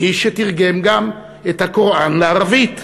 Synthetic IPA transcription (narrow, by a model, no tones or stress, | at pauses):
iʃetiʁɡe̞mɡam | ethakoʁʔanleaʁavit